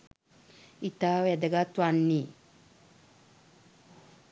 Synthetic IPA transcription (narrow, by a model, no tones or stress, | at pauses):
it̪aːʋæd̪əɡat̪ʋanːi